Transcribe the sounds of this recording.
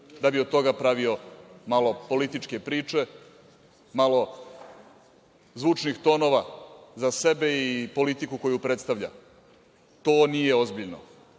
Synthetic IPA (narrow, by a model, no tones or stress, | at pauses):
d̪abiod̪t̪o̞ɡapɾaʋio̞malo̞po̞lit̪it͡ʂke̞pɾiːt͡ʂe̞ | malo̞ | zʋuːt͡ʂnixt̪o̞ːno̞ʋazase̞be̞ipo̞lit̪ikuko̞jupɾet̪st̪aʋʎa̰ | t̪oːnije̞ozbiʎno̰